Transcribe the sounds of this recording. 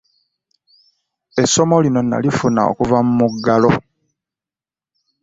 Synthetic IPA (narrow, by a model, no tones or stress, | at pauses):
e̞so̞mo̞lino̞na̰lifuna̰o̰kuvamumuɡːalo̞